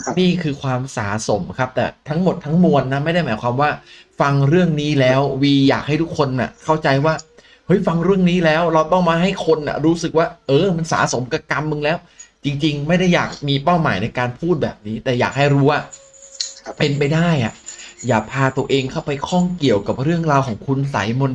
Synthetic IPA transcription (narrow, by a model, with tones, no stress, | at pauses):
niː˥˩kʰɯː˧kʰwaː˧msa̰ː˩˦so̰˨˩˦mkʰa˦˥p̚t̪ɛ̰ː˨˩t̪ʰa˦˥ŋmo˨˩t̪ʰːa˦˥ŋmu˧ənːa˦˥ma˥˩jda˥˩jmaː˨˩˦jkʰwaː˧mwaː˥˩fa˧ŋɾɯ˥˩əŋniː˦˥lɛː˦˥wwiː˧jaː˨˩k̚ha˥˩jt̪ʰu˦˥kʰːo˧nːa̰˨˩kʰa˥˩wt͡ɕa˧jwaː˥˩ | hɤ˦˥jfa˧ŋɾɯ˥˩əŋniː˦˥lɛː˦˥wɾa˧wt̪ɔ˥˩ŋmaː˧ɦa˥˩jkʰo˧nʔa̰˨˩ɾuː˦˥sɯ˨˩k̚waː˥˩ʔɤː˧ma˧nsa̰ː˩˦so˩˦mka˧˩ka˧mʔɯ˧ŋlɛː˦˥wt͡ɕi˧ŋt͡ɕi˧ŋma˥˩jda˥˩jːa̰ː˨˩k̚miː˧pa˥˩wmaː˩˦jna˧jkaː˧npʰuː˥˩t̪̚bɛ̰ː˨˩p̚niː˦˥t̪ɛː˨˩ja̰ː˨˩k̚ha˥˩jɾuː˦˥waː˥˩ | pe˧npa˧jdaː˥˩jʔa̰˨˩jaː˨˩k̚pʰaː˧t̪u˧əʔeː˧ŋkʰa˥˩wpa˧jkʰɔ˥˩ŋki˨˩əwka˨˩p̚ɾɯ˥˩əŋɾaː˧wkʰɔː˩˦ŋkʰu˧nsa̰˩˦jmo˧n